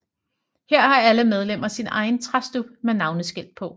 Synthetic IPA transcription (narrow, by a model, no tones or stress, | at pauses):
heɐ̰hɑ̈æləmeð̞ˠlem̰ɐsinʔɑ̈ɪn̩t͡sʰʁɑsd̥ub̥menɑ̈ʊnəsɡ̥el̰̥̚pʰɒ̽